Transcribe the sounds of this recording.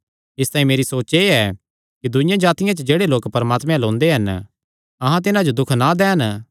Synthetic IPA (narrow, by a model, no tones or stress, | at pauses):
ɪst̪aːĩmeːɾisoːt͡ʃeɛ | kid̪ʊɪ̃jãd͡ʒaːt̪ɪjãt͡ʃəd͡ʒeːɽeloːkpɐɾəmaːt̪mɛ̃lõːnd̪eɦɐn | ɐɦãt̪̬ɪnãd͡ʒod̪ʊkʰnad̪ɛːn